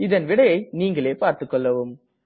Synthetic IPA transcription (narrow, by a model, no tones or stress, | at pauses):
ɪðɐnʋɪɽɐjɐɪniːŋɡɐɭeːpaːɾt̪ɯkːɔɭːɐʋɯm